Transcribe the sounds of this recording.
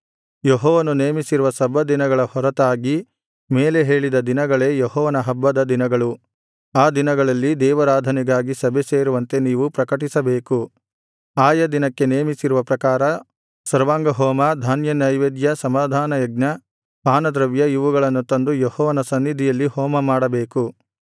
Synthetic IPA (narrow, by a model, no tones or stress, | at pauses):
jeɦɔːʋɐnuneːmisiɾuʋɐsɐbɐd̪inɐɡɐɭɐhɔɾɐt̪aːɡi | me̞ːle̞ɦe̞ːɭid̪ɐd̪inɐɡɐɭe̞ːjeɦɔːʋɐnɐɦɐbːɐd̪ɐd̪inɐɡɐɭu | aːd̪inɐɡɐɭɐlːid̪ɛːʋɐɾaːd̪ʱɐnɛɡaːɡisɐbʱese̞ːɾuʋɐnt̪e̞niːʋupɾɐkɐʈ̬isɐbeːku | aːjɐd̪inɐkːe̞neːmisiɾuʋɐpɾɐkaːɾɐ | sɐɾʋaːŋɡɐɦɔːmɐd̪ʱaːnjɐnɐjʋeːd̪jɐsɐmaːd̪ʱaːnɐjɐɡ̚nɐ | paːnɐd̪ɾɐʋjɐiʋuɡɐɭɐnːut̪ɐnd̪ujehɔːʋɐnɐsɐnːid̪ʱijɐlːihɔːmɐmaːɽɐbe̞ːku